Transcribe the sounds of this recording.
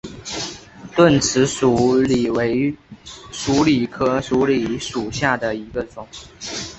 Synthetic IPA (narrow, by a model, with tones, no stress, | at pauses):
t̪wə˥˩nt͡s̩ʰ˧˥ʂu˨˩li˨˩we˧˥ɪ | ʂu˧˥li˨˩kʰɤ˥ʂu˧˥li˨˩ʂu˨˩ɕja˥˩d̪ə˩i˧˥ɡə˧ʈ͡ʂʊ˨˩˦ŋ